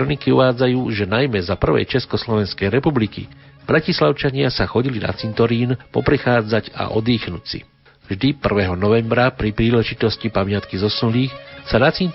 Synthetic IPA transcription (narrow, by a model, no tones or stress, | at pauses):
ɾɔnikiuʋaːd͡zajuːʒɛnajmɛzapr̩ʋɛ̰jt͡ʃɛskɔslɔʋɛnskɛjɾɛpublikḭ | b̥ɾacislaʊt͡ʃaɲɪasaxɔɟilina̰t͡sint̪ɔɾiːnpɔ̰pɾɛxaːd͡zaɟa̰ʔɔ̰d̪iːxnucsḭ | vʒd̪ipr̩ʋɛɦɔnɔʋɛmbɾapɾipɾiːlɛʒit̪ɔscipamɪat̪kizɔsunliːxsanat͡sin